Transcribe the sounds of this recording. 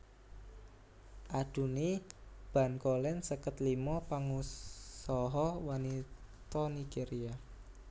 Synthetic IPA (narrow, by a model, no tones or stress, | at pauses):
ʔad̥ṳnib̥ä̤nkolɛnsəkət̪limɔpaŋusɔɦɔwanit̪ɔniɡ̥eɾia